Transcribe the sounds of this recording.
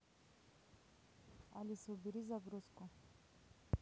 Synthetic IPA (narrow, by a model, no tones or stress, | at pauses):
alisobiɾizaɡɾuskɔ